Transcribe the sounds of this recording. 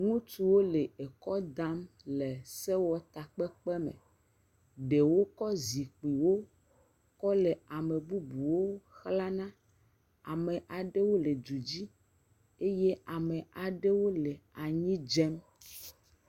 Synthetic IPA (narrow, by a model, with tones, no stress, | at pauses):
ŋũ˦tu˨wo˦le˨e˨kɔ˦d̪a˦m | le˨sɛ˦wɔ˦t̪a˨k͡pɛ˦k͡pɛ˦mɛ̰̃˨ | ɖe˨wo˦kɔ˦zi˨k͡pi˨wo˦ | kɔ˦lɛ˨a˨me˨bu˦bu˨wo˦xla˦nã˦ | a̰˨mẽ˨ʔa˨ɖe˦wo˦le˨d͡ʒu˨d͡ʑi˦ | e˦je˦a˨mẽ˨ʔa˨ɖe˦wo˦le˨a˨ɲĩ˦d͡ʒɛ˦m